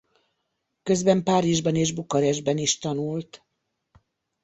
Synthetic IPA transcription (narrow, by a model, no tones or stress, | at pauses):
kø̞zbɛmpaːɾiʒbɒneːʒbukɒɾɛʒbɛniʃt̪ɒnult̪